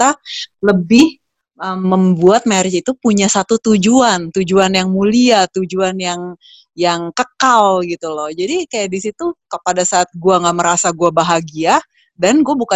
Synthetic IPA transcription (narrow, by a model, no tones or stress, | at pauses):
t̪aləbɪh | ʔəmːəmbuat̪̚maɾɪt͡ʃit̪upuɲasat̪ut̪ud͡ʒuant̪ud͡ʒuanjaŋmuliat̪ud͡ʒuanjaŋ | jaŋkəkalɡit̪ulɔhd͡ʒadikajaʔdisit̪ukəpadasaːt̪̚ɡuaŋɡaʔməɾasaɡuabaɦaɡia | danɡuabuka